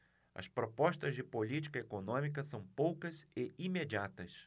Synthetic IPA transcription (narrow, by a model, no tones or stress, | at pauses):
ɐ̰spɾopɔʃt̪ɐzd͡ʒɪpolit͡ʃi̥kɐekonõmik̬ɐsɐ̃w̃powkɐzɪimed͡ʒiat̪ɐs